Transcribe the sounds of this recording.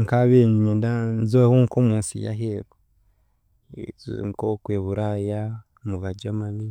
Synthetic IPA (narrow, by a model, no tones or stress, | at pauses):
ŋkaβeɲɲendanzohoŋkomuːnsḭja̰ɦeɾo | z̰ŋkokweːβuɾaja | muβaɟamaβi